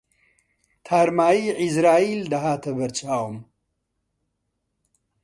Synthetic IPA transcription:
t̪ʰaːɾmaːjiʕɪzɾaːild̪ɐɦaːt̪ʰɐbɐɾt͡ʃʼaːwum

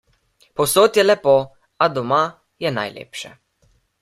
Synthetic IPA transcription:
pɔwsoːt̪jɛlɛpo | ad̪ɔma | jɛna̰jlḛːpʃɛ

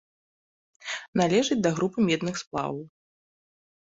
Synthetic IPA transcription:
nalʲɛʐɨd͡zʲd̪ɐɣɾupɨmʲɛd̪nɨxsplˠa̰ww

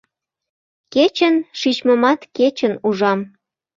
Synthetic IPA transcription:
ket͡ɕənʃit͡ɕməmɑt̪ket͡ɕənuʒɑm

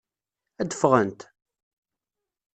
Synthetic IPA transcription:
æd̪əfʁənt̪

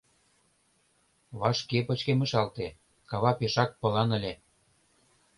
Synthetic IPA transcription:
βɑʃkepə̆t͡ɕkemə̆ʃɑlt̪e | kɑβɑpeʃɑk̚pɤ̆lɑnə̆lʲe

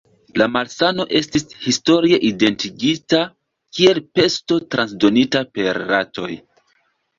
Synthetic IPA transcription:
lamalsano̞ʔe̞stishisto̞ɾie̞ʔide̞ntiɡita | kie̞lpe̞sto̞tɾansdo̞nitape̞ɾːato̞̰j

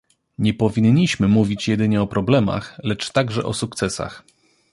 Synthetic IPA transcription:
ɲɛpɔvʲiɲːiɕmɘmuvʲit͡ɕjɛd̪ɘɲɛɔpɾɔblɛma̰xlɛt͡ʂt̪aɡʐɛ̰ʔɔsuk̚t̪sɛsa̰x

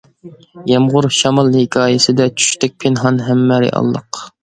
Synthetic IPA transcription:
jɑmʁʊɾʃɑmɑlˠhɪkʲʰɑːjɪsɪd̪ɛt͡ʃʰy̥ʃt̪ʰɛk̚ʲpʰenɦɑnɦæmːæɾɪ̰ʔɑ̰lˠːə̰q

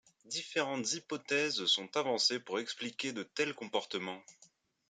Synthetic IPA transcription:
d̪ifeʁɑ̃t̪zipɔt̪ɛzsɔ̃t̪avɑ̃sepuʁɛksplikʲed̪ət̪ɛlkɔ̃pɔʁt̪əmɑ̃

